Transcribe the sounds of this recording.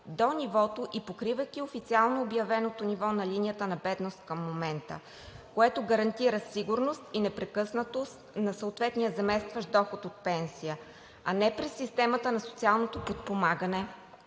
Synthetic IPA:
d̪onʲivɔt̪oʔipokɾivɐjkʲiofit̪sialˠnoːbjɐvɛnot̪onivɔnɐlinijət̪ənɐbɛd̪nost̪̚kɐmːomɛnt̪ə̰ | koɛt̪oɡɐɾɐnt̪iɾəsiɡʊɾnost̪inɛpɾɛkɤsnət̪ost̪nɐsəot̪vɛt̪nijəzɐmɛst̪vəʃd̪ɔxʊt̪ot̪̚pɛnsijə | ɐnɛpɾɛsːist̪ɛmət̪ənɐso̥t̪sialˠnot̪opot̪̚pomaɡənɛ

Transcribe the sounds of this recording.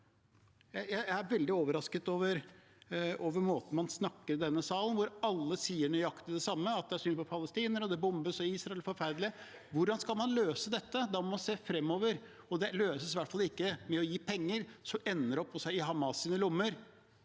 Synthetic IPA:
jæɪjæɪæɪæɾʋɛld̪ɪoːʋəɾɑskət̪oːʋəɾ | oːʋəɾmoːt̪n̩mɑnsnɑkːəɾɖ̪ɛnːəsɑːlənʋʊɾɑlːəsiːəɳœɑkt̪ɪd̪ɛsɑmːəɑt̪̚d̪ɛæʂyːnpɔpʰɑləst̪iːnəɾɔd̪ɛbʊmbəsɔiːsɾɑɛlfɔɾfæɾd̪lɪə | ʋʊɖɑnskɑlmɑnløːsəd̪ɛt̪ːəd̪ɑmmɑnseːfɾɛmːoːʋəɾ | ɔd̪ɛløːsəsʋæʈfɑlːɪkːəmɛɔjiːpʰɛŋːəɾsɔmɛnːəɾɔpʰːɔsæɪɪɦɑmɑsiːnəlʊmːəɾ

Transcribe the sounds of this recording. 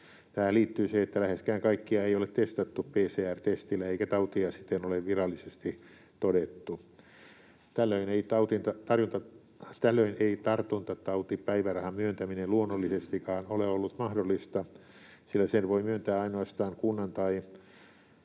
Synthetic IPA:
t̪æhæliːt̪ːyːseet̪ːælæheskæːŋkɑikːiɑeiolet̪t̪est̪ɑt̪ːuppeːseːært̪est̪ilːæeikæt̪ɑut̪iɑsi̥t̪ːenoleʋʋirɑlːisest̪i | t̪odet̪ːu | t̪ælːøineit̪ɑut̪int̪ɑt̪ɑrjunt̪ɑ | t̪ælːøineit̪ɑrt̪unt̪ɑt̪ɑut̪ippæiʋærɑhɑmmyønt̪æmineluonːolːisest̪ikɑːnoleolːut̪mɑhdolːˑist̪ɑ | silːæsenʋoimyønt̪æːɑinoɑst̪ɑːŋkunːɑnt̪ɑi

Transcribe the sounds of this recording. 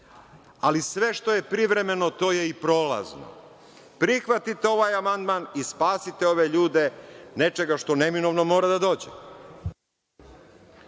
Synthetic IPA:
alisʋe̞ʃt̪o̞je̞pɾiʋɾe̞me̞no̞t̪o̞ːje̞ipɾo̞ːla̰zno̰ | pɾixʋat̪it̪eo̞ʋaːjamand̪manispaːsit̪e̞o̞ʋeʎuːd̪e̞ne̞t͡ʃe̞ɡaʃt̪o̞ne̞mino̞ʋno̞mo̞ːɾad̪ad̪o̞ːd͡ʑḛ

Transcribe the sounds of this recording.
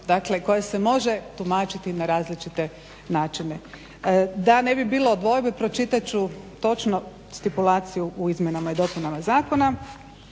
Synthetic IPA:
d̪akle̞ko̞jese̞mo̞ʒe̞t̪umaːt͡ʃit̪inaɾaːzlit͡ʃit̪e̞ | naːt͡ʃine̞ | d̪ane̞bibiːlˠoːd̪ʋo̞jbepɾo̞t͡ʃit̪at͡ʃut̪o̞t͡ʃno̞ | st̪ipulˠaːt̪sijuʔuizmʲjenamaid̪o̞punamazaːko̞na

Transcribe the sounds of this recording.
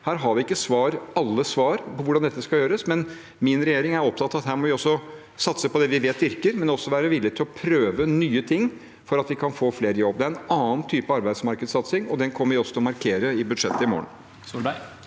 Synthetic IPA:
hæːɾɦɑɾʋɪɪkːəsʋɑːɾɑlːəsʋɑːɾpʰɔʋʊɖɑnd̪ɛt̪ːəskɑljøːɾəsmɛn | mɪnɾɛjeːɾɪŋæɾɔp̚t̪ʰɑt̪ːɑʋɑt̪hæːɾmɔʋɪɔsːɔ | sɑt̪səpɔd̪ɛʋɪʋeːt̪ʋɪɾkəɾmɛnɔsːɔʋæːɾəʋɪlːɪt̪ʰːɪlɔpʰɾøːʋənyːət̪ʰɪŋː | fɔɾɑt̪ʋɪkʰɑnfoːfleːɾəjɔbːd̪ɛæɾɛnɑːnt̪ʰyːpəɑɾbæɪsmɑɾkəd̪sɑt̪sɪŋɔd̪ɛnkʰɔmːəʋɪɔsɔt̪ʰɪlɔmɑɾkʰeːɾəɪbʉd̪ʂɛt̪ːəɪmo̰ːə̰n | subæ

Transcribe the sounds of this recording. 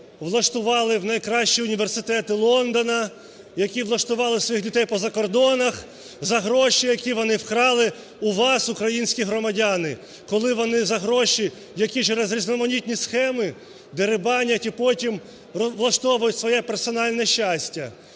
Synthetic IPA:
ʋlˠɐʃt̪ʊʋɑlˠɪwnɐjkɾɑʃʲt͡ʃiʊnʲiʋersɪt̪ɛt̪ɪlˠɔnd̪ɔnɐ | jɐkʲiʋlˠɐʃt̪ʊʋɑlˠɪsʋɔjixlʲʊd̪ɛjpɔzɐkɔrd̪ɔnɐx | zɐɦɾɔʃijɐkʲiʋɔnɪwkɾɑlˠɪ | uʋɑsʊkɾɐjinʲsʲkʲiɦɾɔmɐdʲanɪ | kɔlˠɪʋɔnɪzɐɦɾɔʃi | jɐkʲit͡ʃɛɾɛzɾʲiznɔmɔnʲit̪ʲnʲisxɛmɪ | d̪eɾɪbɑnʲɐtʲipɔtʲim | ʋlˠɐʃt̪ɔʋʊjʊtʲsʋɔjɛpersɔnɑlʲnɛʃːasʲtʲːɐ

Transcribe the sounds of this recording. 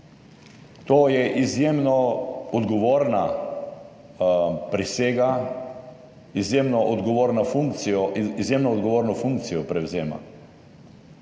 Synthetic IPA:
t̪oːjɛʔizjemnɔɔd̪ɡɔʋoːɾna | pɾiseːɡa | izjeːmnɔʔɔd̪ɡɔʋoːɾnafuŋkt̪sijɔizjeːmnɔːd̪ɡɔʋoːɾnɔfuŋkt̪sijɔpɾɛwzeːma̰

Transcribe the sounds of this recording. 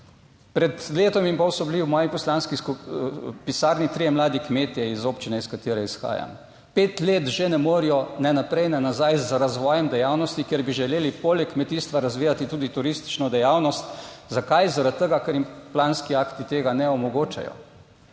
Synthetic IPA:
pɾɛt̪leːt̪ɔmimpɔwsɔbliwmɔːjipɔslaːnskiskupisaːɾnit̪ɾijɛmlaːd̪ikmeːt̪ijɛizoːpt͡ʃinɛiskat̪eːɾɛisxa̰ːja̰m | peːt̪leːt̪ʒenɛmoːɾijɔnɛnapɾɛjnɛnazajzɾazʋɔːjɛmd̪ɛjawnɔst̪ikjeɾbiʒɛleːlipoːlɛkːmɛt̪iːst̪ʋaɾazʋiːjat̪it̪uːd̪it̪uɾist̪i̥t͡ʃnɔd̪ɛjaːwnɔst̪zakajzaɾat̪̚t̪ːəɡakɛɾjimplaːnskiaːkt̪it̪eːɡanɛɔmɔɡoːt͡ʃa̰jɔ̰

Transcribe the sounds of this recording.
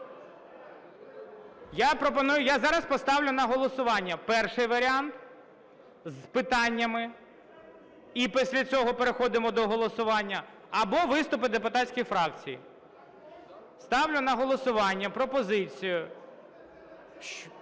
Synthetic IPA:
japɾɔpɔnujʊjazɑɾɐspɔst̪ɑwlʲʊnɐɦɔlˠɔsʊʋɑnʲːɐpɛrʃɪjʋɐɾʲɪɑnt̪ | zpɪt̪ɑnʲːɐmɪ | ipisʲlʲɐt͡sʲɔɦɔpeɾexɔd̪ɪmɔd̪ɔɦɔlˠɔsʊʋɑnʲːɐː | bɔʋɪst̪ʊp̬ɪd̪epʊt̪ɑtsʲkʲixfɾɑk̚t͡sʲijḭ | st̪ɑwlʲʊnɐɦɔlˠɔsʊʋɑnʲːɐpɾɔpɔzɪt͡sʲijʊ

